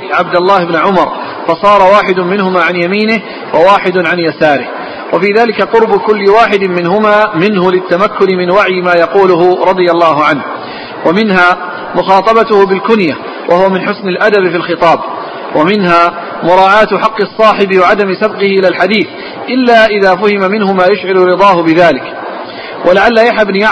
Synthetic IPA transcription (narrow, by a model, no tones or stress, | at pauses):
ʕabd̪alːaːhɪbnʕʊmɑɾˤ | fɑsˤɑːɾˤɑwaːħɪd̪ʊmɪnhʊmaːʕanjamiːnɪh | wawaːħɪd̪ʊʕanjasaːɾɪh | wafiːðaːlɪkaqʊɾbʊkʊlːɪwaːħɪd̪mɪnɦʊmaːmɪnhʊlɪt̪ːamakːʊnɪmɪnwaʕjɪmaːjɑquːlʊɦʊɾˤɑd̪ˤɨjalːɑːɦʊʕanh | wamɪnɦaː | mʊxɑːt̪ˤɑbat̪ʊhʊbɪlkʊnja | wʔahʊwamɪnħʊsnɪlʔad̪abfilxɨt̪ˤɑːb | wʔamɪnɦaː | mʊɾˤɑːʕaːt̪ħɑqːɨsˤːɑːħɪbɪwaʕad̪amɪsabqɪhɪʔɪlalħad̪iːθ | ʔɪlːaːʔɪðaːfʊhɪmamɪnhʊmaːjʊʃʕɪlʊɾɨd̪ˤɑːhʊbɪðaːlɪk | wʔalaʕalːajaħhabnia